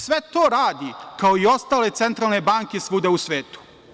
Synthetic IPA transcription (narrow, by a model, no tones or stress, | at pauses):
sʋet̪oːɾaːd̪ikaoio̞st̪aːle̞t̪sent̪ɾaːlˠne̞baːŋke̞sʋud̪eusʋeːt̪u̥